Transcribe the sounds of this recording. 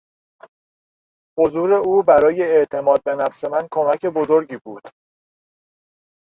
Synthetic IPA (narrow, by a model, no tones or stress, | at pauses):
hozuːɾe̞uːbæɾɒːje̞ːʔt̪ʰe̞mɒːd̪̚be̞næfse̞mænkʰo̞mæcʰe̞bozo̞ɾɟiːbuːd̪̥